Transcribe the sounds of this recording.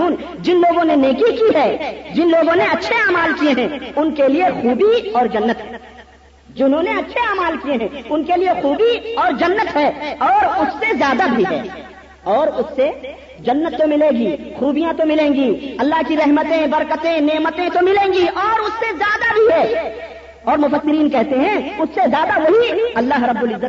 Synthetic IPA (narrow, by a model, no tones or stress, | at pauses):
uːn | d͡ʒɪnloːɡõneneːkikiɦɛːd͡ʒɪnloːɡõneɐtːʃʰeaːmaːlkieɦɛ̃ːʊnkeliexuːbiɔːɾd͡ʒɐnːət̪ɦɛ | d͡ʒɪnɦõneɐtːʃʰeaːmaːlkieɦɛ̃ʊnkeliexuːbiɔːɾd͡ʒɐnːət̪ɦɛːɔːɾʊsːezjaːd̪abʱiɦɛ̰ː | ɔːɾʊsːe | d͡ʒɐnːət̪ːomɪleːɡixuːbijãt̪omɪlẽːɡiɐlːaɦkiɾɛɦmət̪ẽbɐɾkət̪ẽneːmət̪ẽt̪omɪlẽːɡiʔɔːɾʊsːezjaːd̪abʱiɦɛː | ɔːɾmʊfəsːɪɾiːnkɛɦt̪eɦɛ̃ʊsːezjaːd̪aʋoɦiɐlːaːɦɾɐbːʊlɪzːət̪